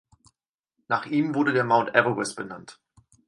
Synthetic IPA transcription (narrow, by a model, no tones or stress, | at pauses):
naːχʔiːmvʊɐdədeːɐmaʊntʔɛʁəʁɛsb̥ənant